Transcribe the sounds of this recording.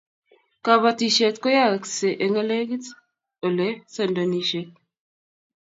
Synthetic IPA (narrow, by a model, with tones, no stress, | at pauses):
ka˨βa˨ti˨ʃe˨t̪ko˦ja˦˨kse˨ʔe˨ŋe˦le˦ɡi˦t | o˨le˨˦se˦˨ndo˨ni˨ʃe˨˦t̚